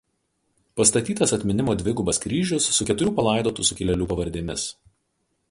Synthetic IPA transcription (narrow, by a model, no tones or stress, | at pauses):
pɐst̪ɐt̪ʲiːt̪ɐsɐt̪ʲmʲɪnʲɪmoːd̪ʲʋʲɪɡʊbɐskɾʲiːʒʲʊsːʊkʲɛt̪ʊɾʲuːpɐlˠɐˑɪd̪oːt̪uːsʊkʲɪlʲɛlʲuːpɐʋɐɾʲd̪ʲeːmʲɪs